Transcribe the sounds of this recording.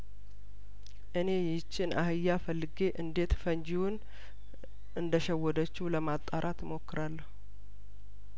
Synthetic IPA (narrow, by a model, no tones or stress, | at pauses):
ʔɨne̞jɪt͡ʃːɪnʔahɨjːafəlːɨɡe̞ʔɨnd̪e̞t̪fəɲd͡ʒiwun | ʔɨnd̪əʃɛwːɔd̪ət͡ʃːuləmat̪ʼːaɾʔat̪mo̞kːɨɾalːəh